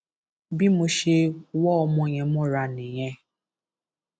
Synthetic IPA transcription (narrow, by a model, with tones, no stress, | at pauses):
bi˦mʊ˨ʃe˦wɔː˦˨˦mʊ˦˨ɲe˨mʊ˦ɾa˨ne˨ɲe˦